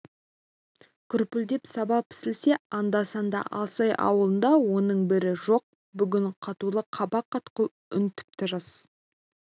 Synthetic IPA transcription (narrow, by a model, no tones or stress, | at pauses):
kʲʰʏɾpʏld̪e̞psɑbɑpʰɪ̥sɪlse̞ɑnd̪ɑsɑnd̪ɑ̰ʔɑlˠsɑjʔɑ̰wəlˠənd̪ɑwo̞nəɴbɪɾɪʒo̞q̚ | bʏɡʲɪɴqʰɑt̪ulˠəqʰɑbɑqːɑt̪qəlˠ | ʏnt̪ʰɪ̥p̚t̪ʰɪɾəs